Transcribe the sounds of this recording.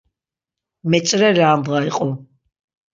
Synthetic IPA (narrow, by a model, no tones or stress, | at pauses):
mɛt͡ʃʼɾɛlaːmbʁaiqʼɔ